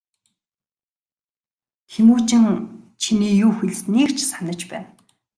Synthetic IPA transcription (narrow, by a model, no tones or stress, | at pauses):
xemuːt͡ɕɪ̆ŋt͡ɕʰiniːjuːxiɮ̆sneːkt͡ɕʰsanə̆t͡ɕpæːn